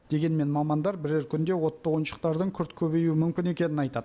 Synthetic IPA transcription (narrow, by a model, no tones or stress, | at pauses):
d̪̥e̞ɡʲe̞nme̞nmɑmɑnd̪ɑɾbɪɾeɾkʲʰʏnd̪e̞wo̞t̪ːɑʁojənʃə̥q̚t̪ɑɾd̪əɴkʲʰʏɾt̪kʲʰɵbe̞juwɪmʏmkʲɪne̞kʲe̞nɪnɑjt̪ɑd̪ə